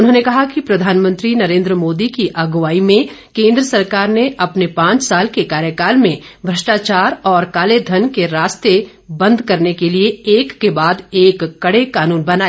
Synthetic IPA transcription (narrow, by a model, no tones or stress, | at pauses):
ʊnɦõːnekɐɦakipɾɐd̪ʱaːnmə̃nt̪ɾinɐɾẽːnd̪ɾəmoːd̪ikiʔɐɡʋaːimẽkẽːnd̪ɾəsɐɾkaːɾneʔɐpnepãːt͡ʃsaːlkekaːɾjəkaːlmẽbʱɾɐʃʈaːt͡ʃaːɾɔːɾkaːled̪ʱɐnkeɾaːst̪e | bɐ̃nd̪ʱkɐɾnekelieeːkːebaːd̪eːkːɐɽekaːnuːnbɐnaːe